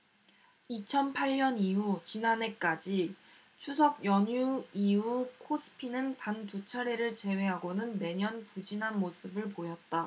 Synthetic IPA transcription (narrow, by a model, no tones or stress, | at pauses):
it͡ɕʰʌnpʰaɭɲʌniɦut͡ɕinane̞k͈ad͡ʑi | t͡ɕʰusʰʌɡ̚jʌɲuiukʰosʰɯ̥pʰinɯntantut͡ɕʰaɾe̞ɾɯɭt͡ɕe̞we̞ɦaɡonɯnme̞ɲʌnpud͡ʑinɦanmosʰɯbɯɭpojʌt̚t͈a